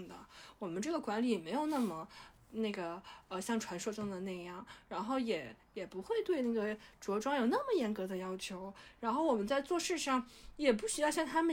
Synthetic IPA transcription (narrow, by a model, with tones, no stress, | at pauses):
d̪ə̰˩wɔ˨˩mə˦nʈ͡ʂɤ˥˩ɡə˩kwa˧˥nli˨˩jɛ˨˩me˧˥ɪjo˨˩ʊna˥˩mə˩ | ne˥˩ɪɡə˩ə˧ɕjɑ˥˩ŋʈ͡ʂʰwa˧˥nʂwɔ˥˧ʈ͡ʂɤ˥ŋd̪ə˨na˥˩ɪjɑ˥˩ŋɻa˧˥nxo˥˩ʊjɛ˨˩˦jɛ˨˩pu˧˥xwe˥˧ɪt̪we˥˧ɪna˥˩ɡə˩ʈ͡ʂwɔ˧˥ʈ͡ʂwɑ˥ŋjo˨˩ʊna˥˩mə˨˩jɛ˧˥nkɤ˧˥d̪ə˧jɑ˥ʊt͡ɕʰjo˧˥ʊɻa˧˥nxo˥˩ʊwɔ˨˩mə˦nt͡sa˥˧ɪt͡swɔ˥˧ʂɻ̩˥˧ʂɑ˥˩ŋjɛ˨˩pu˥˩ɕy˧˥jɑ˥˧ʊɕjɑ˥˧ŋt̪ʰa˥mə˨